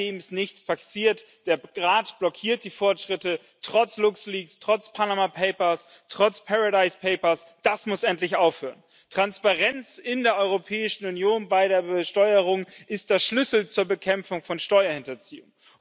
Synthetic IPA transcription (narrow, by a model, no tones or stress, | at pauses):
eːmɪstnɪçt͡spʰasiːɐtd̥eːɐʁaːtb̥lɔkʰiːɐt̚d̥iːfɔɐtʃʁ̥ɪtə | tʁ̥ɔt͡slʊksliːkstʁ̥ɔt͡spʰanamapʰeɪpɐs | tʁ̥ɔt͡spʰaʁadaɪspʰeɪpɐsd̥asmʊsʔɛntlɪçʔaʊfhøːʁən | tʁ̥anspaʁɛnt͡sɪndeːɐʔɔʏʁopʰɛːɪʃn̩unjoːnbaɪɾeːɐbəʃtɔʏəʁ̞ʊŋʔɪst̚d̥eːɐʃlʏsl̩t͡suːɐbəkʰɛmfʊŋfɔnʃtɔʏɐhɪntɐt͡sḭːʊŋ